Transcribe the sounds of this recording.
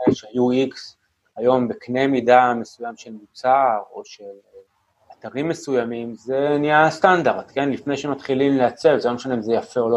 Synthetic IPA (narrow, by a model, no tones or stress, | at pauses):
eʃeajuiks | ajo̞mbekne̞jmidame̞sujamʃe̞lmut͡saʁo̞ʃe̞l | at̪aʁimːe̞sujamimze̞niast̪and̪aʁd̪̥ke̞nlifnejʃemat̪χilimleat͡se̞vzlomeʃanimzejafe̞o̞lo